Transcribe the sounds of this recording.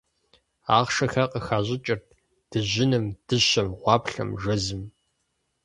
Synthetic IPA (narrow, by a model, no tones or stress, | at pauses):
aːʁʂɐxɐqʼəxaːʑɪt͡ʃʼɪrt̚ | d̥ɨʑɪnɨmd̥ɨɕɐmʁʷɑːpɬɐ̰mʒɐzɨm